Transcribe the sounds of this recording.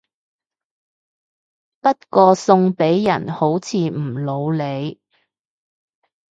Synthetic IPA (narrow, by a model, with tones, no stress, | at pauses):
pɐ˥t̚kɔː˧sʊ˧ŋpe˨˥jjɐ˨˩nho˨˥wt͡sʰiː˨˧m̩˨˩lo˨˧wle˨˧j